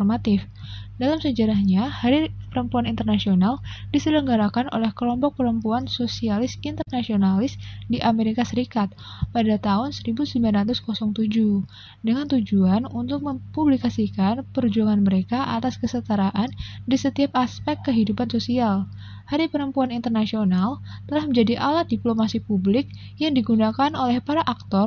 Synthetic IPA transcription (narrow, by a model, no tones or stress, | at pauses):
ɔrmat̪ɪf | dalamsəd͡ʒaɾahɲahaɾipəɾəmpuanint̪ərnasionaldisələŋɡaɾakanʔo̰lɛhkəlɔmpɔk̚pəɾəmpuansosialɪsint̪ərnasionalɪsdiʔameɾikasəɾikat̪̚ | padat̪aɦʊnsəɾibusəiblanrat̪ʊskɔsɔŋt̪ud͡ʒu | dəŋant̪ud͡ʒuanunt̪ʊk̚məpublikasikanpərd͡ʒuaŋanməɾekaʔat̪askəsət̪aɾaʔandisət̪iap̚aspɛkːəɦidupansosial | haɾipəɾəmpuanint̪ərnasionalt̪əlahməɲd͡ʒadiʔalat̪̚diplomasipublɪk̚ | jaŋdiɡunakanolɛhpaɾaʔak̚t̪ɔr